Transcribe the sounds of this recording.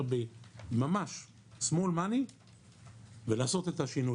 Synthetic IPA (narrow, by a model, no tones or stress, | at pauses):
ʁbemamaʃ | smolmani | velaːso̞t̪et̪aʃinu